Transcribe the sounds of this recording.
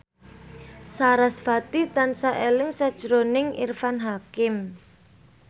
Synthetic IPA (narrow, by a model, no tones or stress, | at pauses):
saɾasfat̪it̪ansaʔelɪŋsad̥ʒ̥ɾonɪŋḭrfanɦakɪm